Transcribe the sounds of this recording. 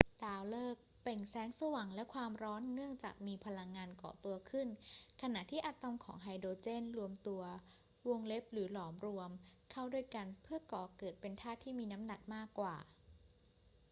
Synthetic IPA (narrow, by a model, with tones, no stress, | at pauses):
d̥aː˧wlɤː˥˩k̚pe˨˩ŋsɛː˦˥ŋsa˧wa˩˦ŋlɛ˦˥kʰwaː˧mɾɔː˦˥nːɯ˥˩əŋt͡ɕa̰ː˨˩k̚miː˧pʰa˧la˧ŋːaː˧nkɔ̰ː˨˩˦t̪u˧ɐkʰɯ˥˩nkʰa˧na˨˩ʔt̪ʰiː˥˩ʔa˨˩t̪a˧mkʰɔ̰ː˩˦ŋɦa˧jdoː˧t͡ɕe˥˩nɾu˧əmt̪u˧ɐ | wo˧ŋle˦˥p̚ɾɯː˩˦lɔː˩˦mɾu˧əmkʰa˥˩wdu˥˩əjka˧npʰɯ˥˩ɐkɔː˨˩kɤː˨˩t̪̚pe˧nt̪ʰaː˥˩t̪ʰːiː˥˩miː˧na˦˥mna˨˩k̚maː˥˩kːwa̰ː˨˩